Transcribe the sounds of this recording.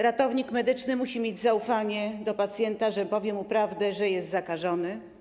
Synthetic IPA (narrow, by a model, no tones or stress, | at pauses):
ɾat̪ɔvɲikmɛd̪ɘt͡ʂnɘmuɕimʲjed͡ʑzaufaɲɛd̪ɔpat̪sʲjɛnt̪aʐɛpɔvʲjɛmupɾavd̪ɛʐɛjɛst̪zakaʐɔnɘ